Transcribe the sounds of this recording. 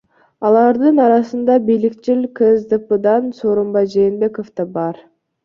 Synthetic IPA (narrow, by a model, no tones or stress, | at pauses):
ɑlˠɑɾd̪ɯnɑɾɑsɯnd̪ɑbijlikt͡ʃilʲkezd̪ɯpɯd̪ɑnsoːɾombɑjd͡ʒe̞ːnbe̞kofd̪ɑbɑɾ